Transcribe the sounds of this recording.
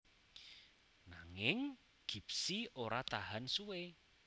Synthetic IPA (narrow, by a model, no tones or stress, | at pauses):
naŋɪŋ | ɡ̥i̤psioɾat̪aɦansuwe